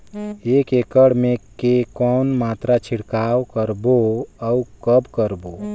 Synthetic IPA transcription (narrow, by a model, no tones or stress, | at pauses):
eːkekəɽmẽkekɔːnmaːt̪ɾat͡ʃʰiɽkaːwkəɾboəukəbkəɾbo